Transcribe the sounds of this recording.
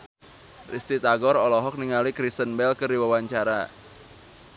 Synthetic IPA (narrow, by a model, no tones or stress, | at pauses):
rist̪it̪aɡɔɾɔlɔɦɔk̚niŋalikɾist̪ənbɛlkəriwawaɲt͡ʃaɾa